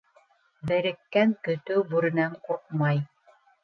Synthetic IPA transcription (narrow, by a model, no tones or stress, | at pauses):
bɘ̆ɾɘ̆kːæŋkɵ̆t̪ɵwbuɾɘ̆næŋkuq̚mɑj